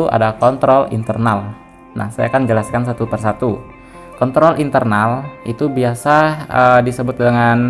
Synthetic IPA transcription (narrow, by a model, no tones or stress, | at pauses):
uʔa̰dakɔnt̪ɾɔlḭnt̪ərnal | na̰hsaja̰kand͡ʒəlaskans̬at̪upərsat̪u | kɔnt̪ɾɔlʔint̪ərnalʔit̪ubiasaədisəbʊt̪̚dəŋan